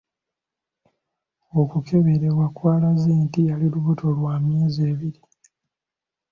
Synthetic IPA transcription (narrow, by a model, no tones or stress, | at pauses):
okukʰe̞βeɾewakwaːlazeːntialiluβuto̞lwaːmje̞ːzeːβiɾi